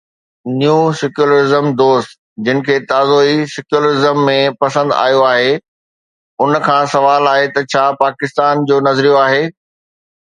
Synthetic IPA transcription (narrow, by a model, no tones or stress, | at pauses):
nijusɪkjuləɾɪzəmd̪oːst̪ | d͡ʑɪnɪ̆kʰeːt̪aːzoːisɐkjulɾɪzəmːẽpɐsə̃nd̪a̰ːjoaːɦe | ʊnkʰãːsɐʋaːlaːɦet̪ɐt͡ɕʰaːpaːkɪst̪aːnd͡ʑoːnɐzɾijoaːɦeː